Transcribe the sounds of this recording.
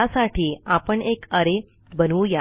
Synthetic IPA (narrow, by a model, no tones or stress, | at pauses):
asaʈʰiːapəɳekəɾe | bənuːja